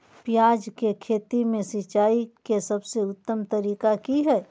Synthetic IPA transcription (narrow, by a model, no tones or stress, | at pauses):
pjaːd͡ʒkekʰeːt̪imẽsɪt͡ʃaːikesɐbseʊt̪ːəmt̪ɐɾiːkakiɦɛː